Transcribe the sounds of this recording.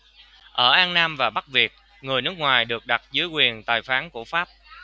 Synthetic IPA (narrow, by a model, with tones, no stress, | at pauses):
ʔəː˧˩ʔaː˧nnaː˧mvaː˨˩ɓa˦˥k̚vi˨˩ək̚ | ŋɨ˨˩əjnɨ˦˥k̚ŋwaː˨˩jɗɨ˨˩ək̚ɗa˨˩t̚zɨ˨˦jkwi˨˩ənt̪aː˨˩jfaː˨˦nku˧˩əfaː˦˥p̚